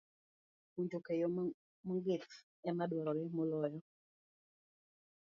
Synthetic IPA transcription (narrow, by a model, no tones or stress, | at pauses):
uɲd͡ʒokejo | mɔŋɡɪt̪ | ɛmadwɔɾɔɾɛmɔlɔjɔ